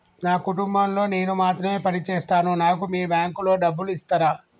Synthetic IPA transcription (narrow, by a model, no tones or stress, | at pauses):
naːkuʈumbɐmlo̞ːne̞ːnumaːt̪ɾɐme̞ːpɐnit͡ʃeːst̪aːnunaːkumiːbaːŋkulo̞ːɖɐbːuluist̪ɐɾaː